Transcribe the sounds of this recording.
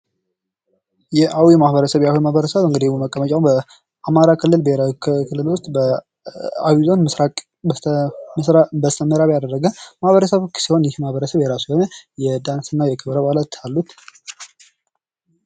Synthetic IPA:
jɛʔawimahbəɾəsəβjawimahbəɾəsəβɨŋɡəd̪iuməkʼːəmət͡ʃʼawbə | amaɾakʰɨlːɨlbəeɾawkʰɨlːɨlwʊst̪ʼbə | a̰wizo̞nmɨsɾak̪ʼ | msɾabəst̪ʰəməɾaβjad̪ərːəɡəmahβəɾəsəβt͡ʃːsiho̞njɪhmahβəɾəsəβjɛɾasujho̞nəjɛd̪ansɨnːajɛkʰɨβɾəβalat̪ʰalːut̪

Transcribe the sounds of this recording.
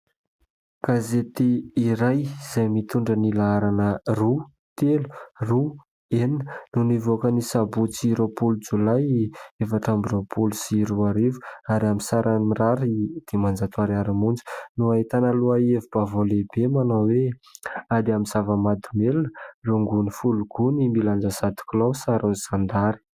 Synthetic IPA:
ɡ̥azet̪eiɾajiz̥ajmit̪uɳɖ͡ʐənilaaɾanəru | t̪elu̥ru | eninənunivokənisabut͡siɾopulud͡zulajefaʈ͡ʂambiropʰulusiɾuaɾivu̥aɾamisaɾʔanmiraɾid̪̥emand͡zat̪uaɾiaɾimund͡zə̥nuaɦit̪anəluaevub̥avolebemanawe | ad̪iamiz̥avəmad̪umelunəruŋɡunifuluɡ̥unimiland͡zəsat̪u̥kʲulosaɾunizand̪aɾi̥

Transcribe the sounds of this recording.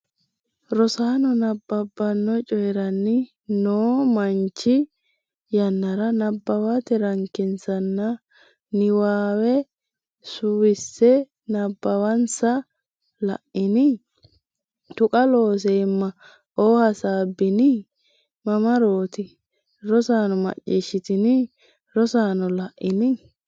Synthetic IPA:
ɾɔsaːnɔnɐbːɐbːɐnːɔt͡ʃʼɔjɛɾɐnːɪ | noːmɐnt͡ʃːɪ | jɐnːɐɾɐnɐbːɐwat̪ɛɾɐŋkːɪnsɐnːɐ | nɪwaːwɛ | sʊwɪsːɛ | nɐbːɐwɐnsɐ | lɐ̰ʔɪnɪ | t̪ʊkʼɐlo̞ːs̬eːmːɐ | ʔoːhɐsaːbːɪnɪ | mɐmɐɾo̞ːt̪ɪ | ɾɔsaːnɔmɐ̰t͡ʃʼːiːʃːɪt̪ɪnɪ | ɾɔsaːnɔlɐʔːɪnɪ

